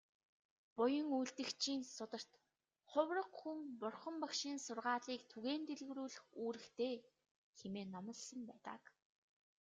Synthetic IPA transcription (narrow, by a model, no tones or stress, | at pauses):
pʊjə̆ŋujɮt̪ɘ̆kt͡ɕʰiːnsʊt̪ə̆r̥t̪ | χʊwrə̆qxuŋpʊrχə̆mpakʃiːnsʊrʁaːɮiːkt̪ʰuɣeːnt̪eɮɣruːɮɘ̆xuːɾɘ̆xt̪ʰeː | xemeːnɔmə̆ɮsə̆mpæːt̪a̰ːk